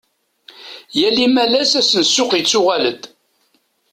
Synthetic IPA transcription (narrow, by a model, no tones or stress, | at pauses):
jælimælæsæsənsːʊqjət͡sːʊʁæləd̪